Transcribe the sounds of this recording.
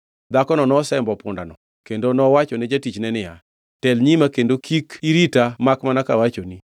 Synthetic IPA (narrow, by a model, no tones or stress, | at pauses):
d̪akɔnɔnɔsɛmbɔpʊndanɔ | kendonɔwat͡ʃɔnɛd͡ʒatit͡ʃnɛnɪja | tɛlɲimakendokʰikiɾitamakmanakawat͡ʃoni